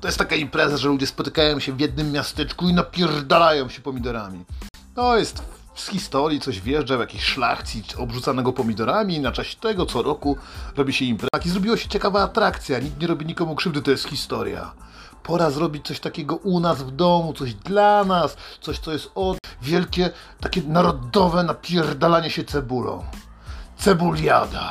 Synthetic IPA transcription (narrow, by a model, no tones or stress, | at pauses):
t̪ɔjɛst̪ːakaimpɾɛzaʐɛlud͡ʑɛspɔt̪ɘ̥kajɔ̃w̃ɕɛvʲjɛd̪̚nɘmːjast̪ɛt͡ʂkuinapʲjɛrd̪alajɔ̃w̃ɕɛpɔmʲid̪ɔɾamʲḭ | t̪ɔjɛst̪ | fsxʲist̪ɔɾʲjit̪sɔʑvʲjɛʐd͡ʐavjakʲiɕʂla̰xtsʲiɔbʐut̪sanɛɡɔpɔmʲid̪ɔɾamʲinat͡ʂaɕɛt̪ɛɡɔt̪sɔɾɔkuɾɔbʲiɕɛimpɾɛaxizɾɔbʲiwɔɕɛ̥t͡ɕɛkavaːt̪ɾakt̪sʲjaɲikt̪ɲɛɾɔbʲiɲikɔmukʂɘvd̪ɘt̪ɔjɛst̪xʲist̪ɔɾʲja̰ | pʰɔɾazɾɔbʲit͡ɕtsɔɕt̪akʲɛɡɔʔunazvd̪ɔmut̪sɔʑd̪lanast̪sɔɕt̪sɔjɛst̪ɔvʲjɛlkʲɛ | t̪akʲɛnaɾɔd̪ɔvɛnapʲjɛrd̪alaɲɛɕɛt̪sɛbulɔ̰̃w̃ | t̪sɛbulja̰d̪a